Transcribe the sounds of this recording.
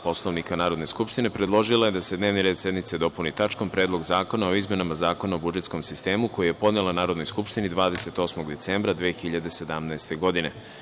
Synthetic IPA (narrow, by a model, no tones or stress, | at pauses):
po̞slˠo̞ʋnikanaːɾo̞d̪ne̞skupʃt̪ine̞pɾed̪lˠo̞ʒilˠaje̞d̪ased̪neʋniɾed̪sje̞d̪nit̪se̞d̪o̞punit̪at͡ʃko̞mpɾe̞ːd̪lˠo̞ɡzaːko̞nao̞izme̞namazaːko̞naobud͡ʒe̞t̪sko̞msist̪e̞ːmuko̞juje̞po̞d̪nelanaːɾod̪no̞jskupʃt̪inid̪ʋaːd̪e̞se̞t̪o̞smo̞ɡd̪e̞t̪seːmbɾad̪ʋeːxiʎad̪e̞se̞d̪amnaest̪e̞ɡo̞d̪ine̞